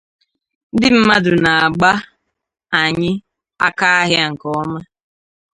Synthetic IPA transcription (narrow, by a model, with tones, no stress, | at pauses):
dɪ˦m̩˦ma˦dʊ˨na˨a˨ɡ͡ba˦ | a˨ɲɪ˦ | a̰˦ka˦a˦ɦja˦ŋ̩˨kɔ˦ma˦